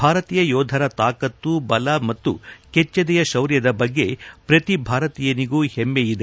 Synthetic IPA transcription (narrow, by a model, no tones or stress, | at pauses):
bʱaːɾɐt̪iːjɐjɔːd̪ʱɐɾɐt̪aːkɐt̪ːubɐlɐmɐt̪ːṵket͡ʃːɐd̪ɛjɐʃɐwɾjɐd̪ɐbɐɡːe̞pɾɐt̪ibʱaːɾɐt̪ijɐniɡuːhemːejid̪e